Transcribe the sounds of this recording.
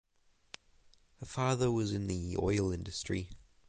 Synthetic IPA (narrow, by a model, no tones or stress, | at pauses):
həfɑːðəwʌzɪ̃nðiɔ̰ɪlˠɪ̃ndɨstɹ̥ḭ